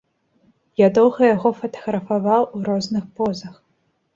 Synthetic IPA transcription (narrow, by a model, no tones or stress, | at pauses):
jʲad̪ɔwɣɐjaɣɔfɐt̪ɐ̥ɣɾɐfavawuɾɔznɨxpɔzɐx